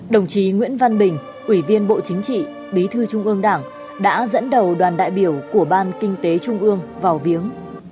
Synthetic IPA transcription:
ɗə˨˩wŋ͡mt͡ɕi˨˦ŋwḭ˧˥ənva˧nɓï˨˩ŋ̟ | ʔwi˧˩vi˧ənɓo̰˧˨t͡ɕï˨˦ŋ̟t͡ɕḭ˧˨ | ɓi˨˦t̪ʰɨ˧t͡ɕʊ˧ŋ͡mʔɨ˧əŋɗaː˧˩ŋ | ɗa̰ː˧˥zə̰˧˥nɗə˨˩wɗwaː˨˩nɗa̰ː˧˨jɓi˧˩əwku˧˩əɓaː˧nkï˧ŋ̟t̪e˨˦t͡ɕʊ˧ŋ͡mʔɨ˧əŋvaː˨˩wvi˨˦əŋ

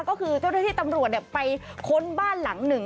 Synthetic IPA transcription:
kɔː˥˩kʰɯː˧t͡ɕa˥˩wna˥t̪ʰiː˥˩t̪a˧mɾu˨˩ət̪̚ni˧˩əpa˧jkʰo˧nbaː˥˩nla˩˦ŋnɯ˨˩ŋ

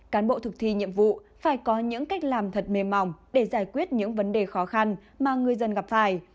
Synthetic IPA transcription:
kaː˨˦nɓo̰˧˨t̪ʰɨ˨˩k̚t̪ʰi˧ɲḭ˧˨əmvṵ˧˨faː˧˩jkɔ˨˦ɲɨ̰˧˥ŋka˦˥jk̟̚laː˨˩mt̪ʰə˨˩t̚me˨˩mːa˨˩wŋ͡mɗe˧˩zaː˧˩jkwi˦˥ət̚ɲɨ̰˧˥ŋvə˨˦nɗe˨˩xɔ˨˦xa˧n | maː˨˩ŋɨ˨˩əjzə˧nɣa˨˩p̚faː˧˩j

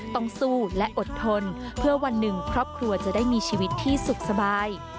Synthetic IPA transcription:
t̪ɔ˥˩ŋsuː˥˩lɛ˦˥ʔo˨˩t̪ʰːo˧n | pʰɯ˥˩ɐwa˧nːɯ˨˩ŋkʰɾɔː˥˩p̚kʰɾu˧ɐt͡ɕa˨˩daː˥˩jmiː˧t͡ɕʰiː˧wi˦˥t̪ʰːiː˥˩su˨˩k̚sa˧baː˧j

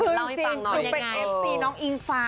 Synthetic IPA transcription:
kʰɯː˧t͡ɕiː˧nʰɯː˧˩pe˧nʔe˦˥p̚siː˧nɔː˦˥ŋʔi˧nfaː˧

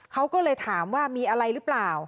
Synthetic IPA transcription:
kʰa˦˥wkɔː˥˩lɤː˧jt̪ʰaː˩˦mwaː˥˩miː˧ʔa˧ɾa˧jɾɯː˦˥plaː˨˩w

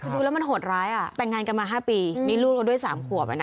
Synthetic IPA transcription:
kʰɤ˧du˧ɛː˦˥wma˧nɦo˨˩t̪̚ɾaː˦˥jʔa˨˩t̪ɛ˨˩ŋːaː˧nka˧nmaː˧ɦaː˥˩piː˧miː˧˥˦luː˥˩k̚ka˧˩du˥˩əjsaː˩˦mkʰu˨˩əp̚ʔa̰˧˩na˦

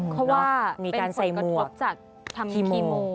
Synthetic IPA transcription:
pʰɔ˦˥waː˥˩miː˧kaː˧nsa˧˩jmu˨˩˦kk̚t͡ɕa˨˩k̪̚ʰ | kʰiː˧moː˧

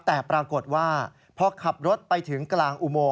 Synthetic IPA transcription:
t̪ɛː˨˩pɾaː˧ko˨˩t̪̚waː˥˩ | pʰɔ˧kʰa˨˩p̚ɾo˦˥t̪̚pa˧jt̪ʰɯ˩˦ŋklaː˧ŋʔu˧moː˧

